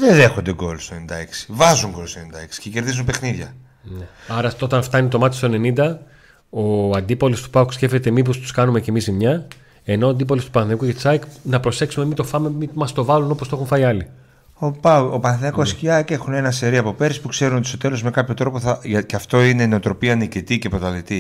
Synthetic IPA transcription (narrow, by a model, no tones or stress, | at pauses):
ðenðe̞xond̪e̞ɡo̞̰lst̪oenind̪ɐeksi̥vɐzuŋɡo̞lst̪oenind̪ɐeksi̥ceceɾðizunpexniðʝɐ | neɐɾɐo̞t̪ɐnft̪ɐnit̪o̞mɐt̪est̪one̞nind̪ɐ | o̞ɐnd̪ipolost̪u̥pɐksce̞fte̞t̪emipo̞st̪u̥skɐnume̞ce̞mizimɲɐ | e̞no̞ːɐnd̪ipolost̪upɐnθekuʝet͡sɐknɐpɾo̞se̞ksume̞mit̪o̞fɐmemimɐst̪o̞vɐluno̞post̪oe̞xuɱfɐiɐli | opɐopɐnθinɐkossciɐkexune̞nɐseɾiɐpo̞pe̞ɾspukse̞ɾunot̪ist̪ot̪elo̞zme̞kɐpço̞t̪ɾo̞poθɐʝɐceɐft̪o̞ine̞neot̪ɾo̞piɐnicit̪icepɾot̪ɐðit̪i